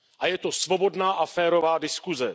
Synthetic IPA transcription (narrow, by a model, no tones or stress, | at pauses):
ʔajɛt̪o̞svo̞bo̞dnaːʔafɛːɾo̞vaːdɪskuzɛ